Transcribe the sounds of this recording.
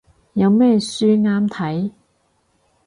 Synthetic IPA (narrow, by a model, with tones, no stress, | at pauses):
jɐ˨˧wmɛː˥syː˥ŋaː˥mt̪ʰɐ˨˥j